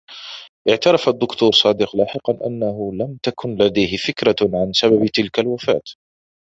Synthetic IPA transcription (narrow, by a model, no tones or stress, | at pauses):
ʔɪʕt̪ɑɾˤɑfad̪ːʊkt̪uːɾˤsˤɑːd̪ɪqlaːħɪqɑnʔa̰nːaɦʊlamt̪akʰʊnlad̪ajɦɪfɪkɾaʕansababt̪ɪlkalwafa̰ːt̪